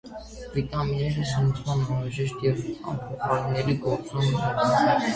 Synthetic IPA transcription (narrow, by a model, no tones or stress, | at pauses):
vit̪ʼɑminɛɾəzənt͡sʰmɑnɑnɾɑʒɛʃt̪jɛvɑ̰mpʰɔχɑlinɛɾiɡɔɾt͡sɔmɛɾɑnɛ